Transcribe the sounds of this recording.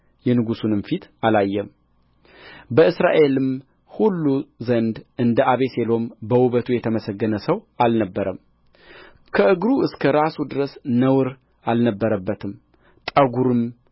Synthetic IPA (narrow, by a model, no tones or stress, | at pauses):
jɛnɨɡusunɨmfit̪alajːɛm | bəɨsɾa̰ʔe̞lɨm | hulːuzənd̪ʔɨnd̪əʔaβe̞se̞lo̞mbəwuβət̪ʰujɛt̪ʰəməsəɡːənəsəwalnəbːəɾəm | kʰəʔɨɡɾuɨskʰəɾasud̪ɨɾəsnəwɨɾ | alnəbːəɾəbːət̪ʰɨm | t̪ʼəɡuɾɨm